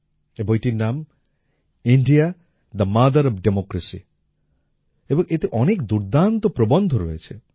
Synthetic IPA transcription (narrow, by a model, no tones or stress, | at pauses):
ebɔjʈiɾnam | iɳɖija | d̪ɐmad̪ɐɾɔbɖemokɾesḭ | ebɔŋet̪eʔɔnekd̪uɾd̪ant̪ɔpɾobɔnd̪ʱɔɾoet͡ʃʰe